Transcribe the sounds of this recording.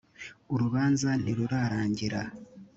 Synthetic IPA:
uɾuβaːnzaniɾuɾaɾaːɲɟiɾa

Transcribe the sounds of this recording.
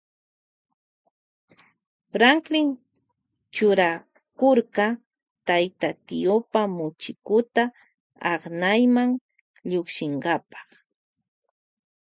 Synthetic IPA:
ɾaŋklɪn | t͡ʃʊɾa | koɾkɑ | t̪ajt̪at̪ɪjopamʊt͡ʃɪkʊt̪a | ɑχnajmaŋ | ʎokʃɪŋɢɑpɑ̥χ

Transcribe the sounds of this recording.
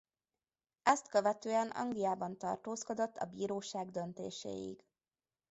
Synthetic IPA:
ɛst̪køvɛt̪øːɛnɒ̰ŋɡlijaːbɒnt̪ɒ̰rt̪oːsko̞d̪o̞t̪ːɒ̰biːɾoːʃaːɡd̪ønt̪ḛːʃḛːjḭɡ

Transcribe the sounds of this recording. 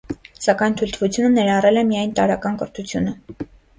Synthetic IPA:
sɑkɑjnt̪ʰujlt̪ʰəvut͡sʰjunənɛɾɑrɛlɛmijɑjnt̪ɑɾɑkɑnkəɾt̪ʰut͡sʰjunə

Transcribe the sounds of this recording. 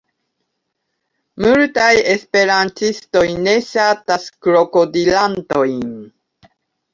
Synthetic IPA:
multaje̞spe̞ɾantisto̞jne̞sataskɾo̞kodilanto̞jn

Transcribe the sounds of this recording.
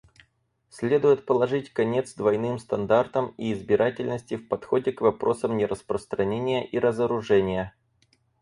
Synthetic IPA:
sʲlʲe̞d̪ʊjɪt̪̚pəlˠɐʐɨtʲkɐnʲe̞t̪sd̪vɐjnɨmst̪ɐnd̪art̪əmiːzbʲɪɾatʲɪlʲnəsʲtʲɪfpɐt̪xo̞dʲɪkvɐpɾʔo̞səmnʲɪɾʔəspɾəst̪ɾɐnʲenʲɪjəʔiɾəzəɾʊʐɛnʲɪjə

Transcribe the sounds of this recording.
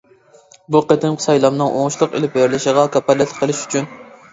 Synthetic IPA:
buqət̪ʰɪmqʰsɑjlˠɑmnɨŋʔo̰ŋʃlˠʊqḛlɪp̚beɾlɪʃəʁɑkʰʲɑpːɛlːɪt̪ʰqʰəlˠɪʃy̥t͡ʃʰyn

